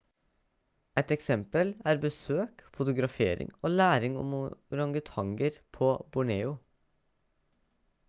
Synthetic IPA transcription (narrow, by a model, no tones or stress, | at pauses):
ɛt̪ɛksɛmpəlæːɾbəsøːkfʊt̪ʊɡɾɑfeːɾɪ̰ŋoːlæːɾɪŋɔ̰mɾɑŋɡət̪ʰɑŋɡəɾpʰoːbʊɳeːʊ